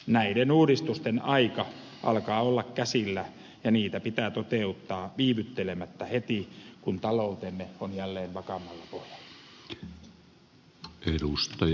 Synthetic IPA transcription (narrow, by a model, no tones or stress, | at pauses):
næidenuːɾist̪ust̪enɑikɑ | ʔɑ̰lkɑːolːɑkkæsilːæ | jɑniːt̪æpit̪æːt̪ot̪eut̪ːɑːʋiːʋyt̪ːelemæt̪ːæhet̪ikunt̪ɑlout̪enːeonjælːeːnʋɑkɑmːɑlːɑpohjɑ̥l̥ːɑ̥ | ʔeɾust̪ɑ